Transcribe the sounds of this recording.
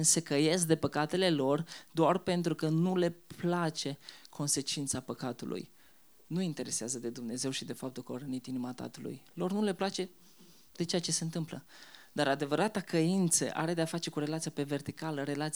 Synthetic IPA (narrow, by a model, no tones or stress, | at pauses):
nsekəje̞sk̚d̪e̞pəkat̪e̞le̞lo̞rd̪oarpe̞nt̪ɾukənule̞plat͡ʃe̞kʰo̞nse̞t͡ʃint̪sapəkat̪ṵlʔṵj | nuint̪e̞ɾe̞seazəd̪e̞d̪umne̞ze̞wʃid̪e̞fap̚t̪ulkəoɾənit̪inimat̪a̰t̪ulṵjlo̞rnule̞plat͡ʃe̞ | d̪̥e̞t͡ʃeat͡ʃe̞seɨnt̪ɨmplə̰d̪aɾad̪e̞vəɾat̪akəint̪sə̰ʔa̰ɾe̞d̪e̞afatt͡ʃe̞kuɾe̞lat̪sijape̞ve̞rt̪ikaləɾe̞lat̪s